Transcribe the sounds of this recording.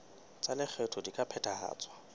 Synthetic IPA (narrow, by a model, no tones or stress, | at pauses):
t͡sʼalɪk͡xʰetʰʊdikʼapʰɛtʰʼaha̰ːt͡sʼwa